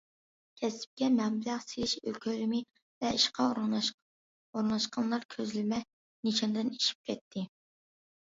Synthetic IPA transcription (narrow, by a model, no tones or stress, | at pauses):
kʲʰɛsɪ̥p̚kʲɛmɛbɪlæχselɪʃø̰lkʲʰøɾɪmɪ | vɛiʃqɑ | oɾnɑʃqʰɑnlˠɑɾkʲʰøzlɪmɛ | niʃɑnd̪ɨniʃi̥p̚kʲʰɛt̪ʰːɪ